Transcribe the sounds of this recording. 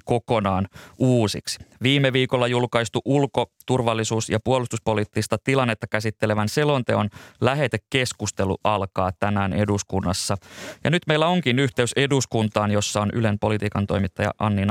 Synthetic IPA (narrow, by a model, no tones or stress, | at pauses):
ko̞konɑːnuːsḭksi̥ʋiːmːeʋiːkolːɑjulkɑist̪uʔulko̞t̪urʋɑlːisuːsjɑpuolust̪uspo̞liːt̪ːist̪ɑt̪ilɑnːet̪ːɑkæsit̪ːe̞leʋænselo̞nt̪eonlæɦe̞t̪ekkːe̞skust̪e̞lṵʔɑlkɑːt̪æmæːne̞̰duskunːɑsːɑjɑ̰nyt̪mejlːæo̞ŋkinyht̪eyse̞duskunt̪ɑːnjo̞sːɑonʔy̰lempo̞lit̪iːkɑnt̪o̞̰jmit̪ːɑjɑ̰ʔɑnːin